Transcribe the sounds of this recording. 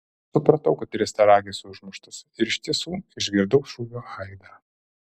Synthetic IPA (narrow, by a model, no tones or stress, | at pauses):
sʊpɾɐt̪ɐʊkɐt̪ɾʲɛst̪ʲɐɾɑːɡʲeːsʊʒmʊʃt̪ʊsɪɾɪʃʲt̪ʲiɛsuːɪʒʲɡʲɪɾd̪ɐʊʃuːʋʲoːɐɪd̪ɐ